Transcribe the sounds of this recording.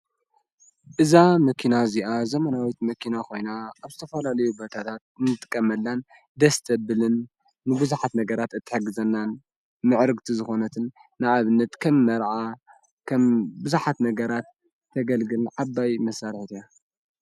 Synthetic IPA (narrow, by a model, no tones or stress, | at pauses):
ʔɨzamɐkʰinaziʔazɐmɐnawit̪mɐkʰinakʰo̞jnaaβzɨt̪ʰɐfɐlalɐjubot̪ʰat̪ʰat̪̚nɨt̪ʼɨkʼːɐmɐlːan | d̪ɐst̪ʰɐbɨlɨnː | ɨbɨzuħat̪nɐɡɐɾat̪ɨt̪ʰːɨ̥ħɨɡɨzɐnːan | mɨʕɾɨɡt̪ʰizɨxo̞nɐt̪ʰɨnː | ɨʕaβɨnːɐt̪kʰɐmːɐɾʕa | kʰɐmbɨzuħat̪nɐɡɐɾat̪ʰː | ɐɡɐlɡɨlʕabːajmɐsaɾħt̪ʰija